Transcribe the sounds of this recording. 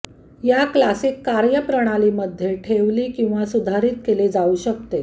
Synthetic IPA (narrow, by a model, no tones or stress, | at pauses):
jaklasiːkːaɾjəpɾəɽ̃aliːməd̪ʱːjeʈʰeʋliːkĩw̃ʋasud̪ʱaɾiːt̪keled͡zauɕək̚t̪e